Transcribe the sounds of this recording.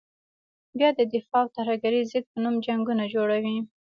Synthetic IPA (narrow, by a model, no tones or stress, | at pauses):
bjɑd̪əd̪ɪfɑwt̪ahaɡaɾizəɡ̪̚pənumd͡ʒaŋɡunad͡ʒoɽawi